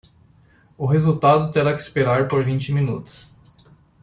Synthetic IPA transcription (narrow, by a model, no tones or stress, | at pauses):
ʊɦezut̪ad̪ʊt̪eɾakɪispeɾaɾpoɾvĩnt͡ʃɪmĩnut̪ʊ̥s